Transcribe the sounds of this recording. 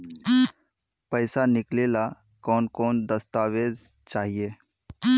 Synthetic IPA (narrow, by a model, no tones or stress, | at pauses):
pəɪsanɪkleːla | kɔːnkɔːnd̪əst̪aːweːz | t͡ʃaːɦieː